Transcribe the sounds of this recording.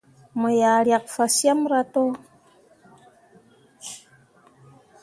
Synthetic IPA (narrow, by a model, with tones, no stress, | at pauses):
mə˨jaː˨ɾja˨k̚fa˨sja˦mɾa˦to˦